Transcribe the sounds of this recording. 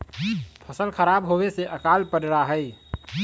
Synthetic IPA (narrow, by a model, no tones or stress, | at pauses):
pʰəsəlkʰəɾabɦoweseʔəkalpəɖɾaɦəj